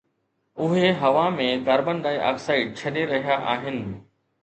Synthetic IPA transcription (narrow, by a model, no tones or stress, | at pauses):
ʊɦeɦɐʋamẽkaːɾbənd̪aːiʔa̰ːksaːit͡ɕʰɐɗeɾɐɦijaʔa̰ːɦɪnɪ̆